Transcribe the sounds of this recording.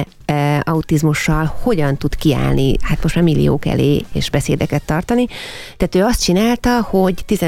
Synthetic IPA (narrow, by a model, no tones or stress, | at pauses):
ɒut̪izmuʃːɒlho̞ɟɒnt̪ut̪kia̰ːlnihat̪mo̞ʃtmaːrmilːḭjo̰ːkɛ̰lḛːḛːʒbɛseːd̪ɛkɛt̪ːɒrt̪ɒnit̪ɛːt̪øːɒst̪̚t͡ʃinaːlt̪ɒho̞ɟt̪izɛ